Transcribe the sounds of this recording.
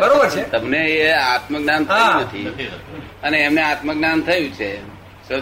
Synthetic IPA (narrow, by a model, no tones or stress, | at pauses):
bəɾobəɾt͡ʃʰet̪əmneeat̪məknant̪əjnət̪ʰi | əneːmneat̪məknant̪ʰəjũt͡ʃʰe | sə